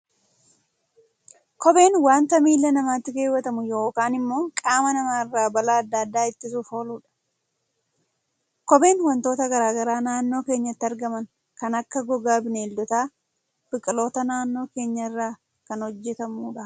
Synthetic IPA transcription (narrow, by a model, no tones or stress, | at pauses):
kɔbe̞ːnwaːnt̪ɐmiːlːɐnɐmaːt̪ːɪɡe̞ːwɐt̪ɐmʊjo̞ːkaːnɪmːo̞ːŋkʼaːmɐnɐmaːɪrːaːbɐlaːɐd̪ːɐːɐd̪ːaːɪt̪ːɪsufo̞ːluːᶑɐ̥ | kɔbe̞ːnwɐnt̪o̞ːt̪ɐɡɐɾaːɡɐɾaːnaːnːo̞ːke̞ːɲːɐt̪ːɪɐɾɡɐmɐn | kɐnɐkːɐɡɔɡaːbɪneːld̪ɔt̪aː | b̥ɪkʼɪlo̞ːt̪ɐnaːnːo̞ːke̞ːɲːɐɪrːaː | kɐnhɔd͡ʒːɛt̪ɐmuːᶑɐ